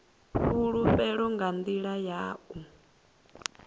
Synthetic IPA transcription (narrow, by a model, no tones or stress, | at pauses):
ɸuɺuɸɛɺɔŋɡand̪iɺajaːʔu